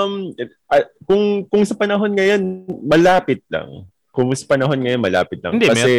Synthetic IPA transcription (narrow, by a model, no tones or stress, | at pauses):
m | ʔɐkʊŋkʊŋsɐpɐnɐɦo̞nŋɐjo̞nmɐlaːpɪt̪̚lɐ̰ŋ | kʊŋsɐ̥pɐnɐɦo̞nŋɐjo̞nmɐla̰ːpɪt̪̚lɐ̰nd̪ɛkɐsɛ